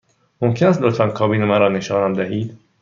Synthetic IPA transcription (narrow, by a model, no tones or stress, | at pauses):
omcʰææsd̪ot̪ʰænkʰɒːbiːnemæɾɒːneʃɒːnæmd̪æɦiːd̪